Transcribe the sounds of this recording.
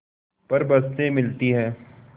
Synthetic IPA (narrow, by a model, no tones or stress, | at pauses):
pɐɾbɐst̪ẽmɪlt̪iɦɛː